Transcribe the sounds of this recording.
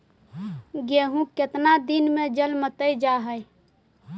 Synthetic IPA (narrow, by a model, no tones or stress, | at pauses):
ɡeɦũket̪nad̪inmẽd͡ʒəlmət̪əjd͡ʒaɦəj